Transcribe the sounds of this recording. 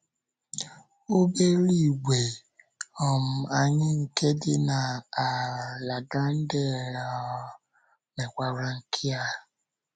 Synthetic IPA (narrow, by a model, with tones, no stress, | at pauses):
o˦be˦ɾi˦˨ɡʷe˨ | ɔ˨m̩˨a˨ɲɪ˦ŋ̩˨ke˦dɪ˦na˨a˨la˨ɡa˦n̩˦de˦˨ɾa˨˦ | me˨kʷa˦ɾa˦ŋ̩˨kʰɪ˦a˦